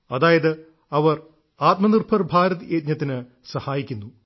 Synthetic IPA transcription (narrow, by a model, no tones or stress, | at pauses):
ɐðaːjɐðɨ | ɐʋɐr | aːt̪mɐnirbʰɐrbʱaːɾɐðeːt̪̚ɲɐt̪ːinɨ | sɐhaːjikʲːunːu